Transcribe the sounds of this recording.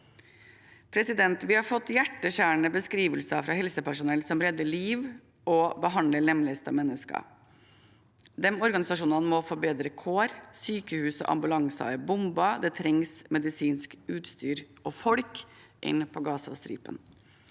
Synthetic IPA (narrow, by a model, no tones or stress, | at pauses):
pʰɾɛsɪd̪ɛnt̪ʋɪhɑɾfɔt̪ːjæʈːəɕæːɳəbəskɾiːʋəlsɑfɾɑːhɛlsəpʰæʂʊnɛlsɔmɾɛd̪ːəliːʋ | ɔbəɦɑnd̪ləlɛmləəst̪ɑ̰mɛnːəskɑ̰ | d̪ɛmɔɾɡɑnɪsɑʂuːnɑnmɔfɔɾbeːd̪ɾəkʰoːɾsyːkəhʉːsɔ̰ʔɑ̰mbʉlɑŋsɑ̰əbʊmbɑd̪ɛːt̪ʰɾɛŋsmɛd̪ɪsiːnskʉːt̪st̪yːɾʔɔfɔɽkʔɪ̰nːpʰɔɡɑːsɑ̰st̪ɾḭːpə̰n